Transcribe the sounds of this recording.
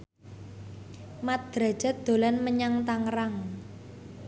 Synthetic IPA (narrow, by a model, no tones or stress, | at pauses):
mat̪̚d̪̥ɾa̤̥d͡ʒ̥a̤t̪̚d̪̥o̤lanməɲaŋt̪aŋraŋ